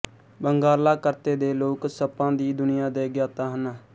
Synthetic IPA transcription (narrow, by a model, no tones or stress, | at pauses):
bəŋɡaːlaːkəɾt̪eːd̪eːloːksəpːãːd̪iːd̪ʊnɪjãːd̪eːɡjaːt̪aːɦənaː